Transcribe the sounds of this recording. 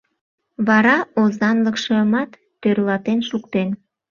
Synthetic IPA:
βɑɾɑozɑnləkʃəmɑt̪ːørlɑt̪enʃukt̪en

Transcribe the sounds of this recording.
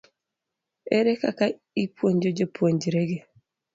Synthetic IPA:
eɾekaka | ipuoɲd͡ʒod͡ʒopuoɲd͡ʒiɾeɡe

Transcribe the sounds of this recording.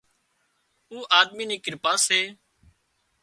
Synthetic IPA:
uːʔaːd̪miːnĩːkɪɾpaːsɦeː

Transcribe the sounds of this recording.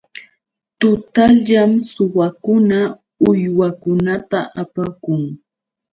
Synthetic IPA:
t̪ʊt̪aʎʎamsʊwakʊna | ʊjwakʊnat̪aʔapakʊŋ

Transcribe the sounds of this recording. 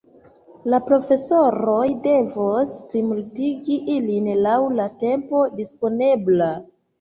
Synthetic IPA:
lapɾo̞fe̞so̞ɾo̞jde̞vosplimultiɡiʔilinlawlate̞mpo̞dispo̞ne̞bla

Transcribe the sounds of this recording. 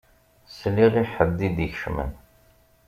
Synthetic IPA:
sliʁiħəd̪ːid̪içʃmə̰n

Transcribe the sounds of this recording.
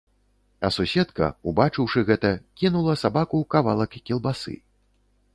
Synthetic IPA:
ɐsusʲɛt̪kɐ̰ubat͡ʂɨwʂɨɣɛt̪ɐkʲinulˠɐsabakukava̰lˠɐkːʲilˠbasɨ̰

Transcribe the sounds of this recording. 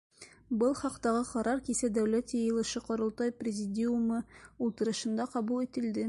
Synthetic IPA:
bɤlˠχɑqt̪ɑʁɤqɑɾɑɾkisæd̪æwlæt̪jɤjɤ̆lˠɤ̆ʃɤqŏɾŏlˠt̪ɑjprʲɪzʲɪdʲiumɤulˠt̪ɤ̆ɾɤ̆ʃɤ̆nd̪ɑqɑβulˠit̪ɘ̆ld̪ɘ

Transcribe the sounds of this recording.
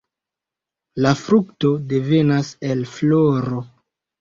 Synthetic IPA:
lafɾukto̞de̞ve̞nase̞lfloɾo̞

